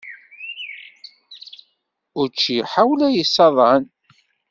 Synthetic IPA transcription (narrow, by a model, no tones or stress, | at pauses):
ʊɾt͡ʃːiħawlæjəsɑðˤʕən